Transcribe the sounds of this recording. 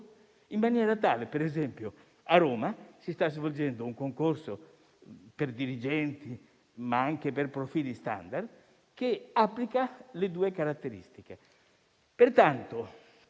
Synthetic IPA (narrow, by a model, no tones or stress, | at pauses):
imːanjɛːɾat̪aːlepeɾɛzɛmpjo | aɾoːmasist̪azvold͡ʒɛnd̪ouŋkoŋkorso | perd̪iɾid͡ʒɛnt̪i | maaŋkeperpɾofiːlist̪a̰nd̪ard̪ | keapːlikaled̪uːekaɾat̪ːeɾḭst̪ik̟e | pert̪ant̪o